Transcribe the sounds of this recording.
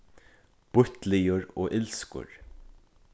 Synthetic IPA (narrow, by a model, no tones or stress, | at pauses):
b̥ʊt̪lɪjʊɹɔːʔɪlskʊ̰ɹ